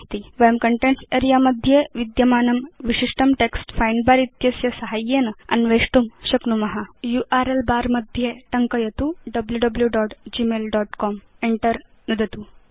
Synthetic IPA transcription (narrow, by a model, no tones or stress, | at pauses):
st̪iʋɐjmkɐɳʈẽɳʈseɾijamɐd̪ʱjeʋid̪jɐmaːnɐmʋiɕiʂʈɐmʈeksʈfajnbaɾit̪jɐsjɐsɐɦajːenɐ̰nʋeːʂʈumɕɐknumɐɦajuʔaɾelbaːɾmɐd̪ʱjeʈɐŋkəjɐt̪uɖɐbljuɖɐbljuɖɔːʈd͡ʑimeːlɖɔʈkɔm | eɳʈəɾ | nud̪ʱɐt̪u